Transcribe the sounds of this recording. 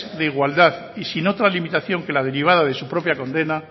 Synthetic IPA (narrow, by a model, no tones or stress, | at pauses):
ðeiɣwald̪að | isino̞t̪ɾalimit̪aθjo̞ŋke̞lað̞e̞ɾiβ̞aðað̞e̞supɾo̞pjako̞nd̪e̞na